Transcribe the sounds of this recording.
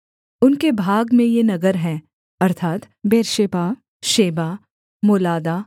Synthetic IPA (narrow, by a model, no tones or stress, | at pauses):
ʊnkebʱaːɡmẽjenɐɡəɾɦɛ̃ː | ɐɾt̪ʰaːt̪ | beːɾʃeːpa | ʃeːbaː | moːlaːd̪aː